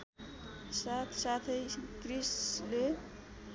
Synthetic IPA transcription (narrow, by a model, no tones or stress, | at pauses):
sat̪ʰsat̪ʰʌjkrisle